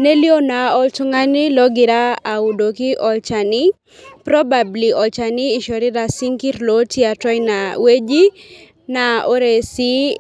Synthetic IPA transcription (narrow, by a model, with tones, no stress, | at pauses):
ne˦li˦o˦na˨ɔ˦lt͡ʃɔ˦ŋa˦nɪ˦lɔ˦ɡɪ˨ɾa˦a˨ʊ˨do˨kɪ˦ʔɔ˨lt͡ʃa˨nɪ˦ | pɾɔ˦babli˨ʔɔ˨lt͡ʃanɪː˦˨ʃɔ˨ɾɪ˦ɾa˨si˦ŋki˦ɾlo˦tje˦a˨tɔ˦jna˨we˦d͡ʒi˦ | na˨o˦ɾe˨si˦